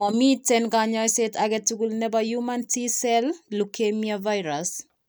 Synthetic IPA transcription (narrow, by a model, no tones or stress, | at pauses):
ɔmitɛnɡaɲɔjsetaɡɛtuɡulnɛbajumantisɛllukʰemiavajɾas